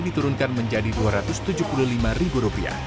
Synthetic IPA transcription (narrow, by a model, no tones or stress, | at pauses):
dit̪uɾʊnkanməɲd͡ʒadiduaɾat̪ʊst̪ud͡ʒupululimaribuɾupia̰h